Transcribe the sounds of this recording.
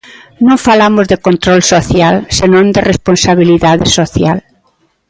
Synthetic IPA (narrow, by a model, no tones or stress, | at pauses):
nõŋfalamʊzðɪkont̪ɾolsoθjalsenõnd̪ɪrespõnsaβiliðaðɪsoθjal